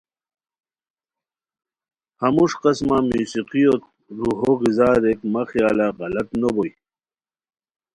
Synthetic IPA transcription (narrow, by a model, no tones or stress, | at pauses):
hamuʂqasmamuːsiqiot̪ | ɾuɦoɣizaːɾekmaxjaːlaɣɐlat̪noboj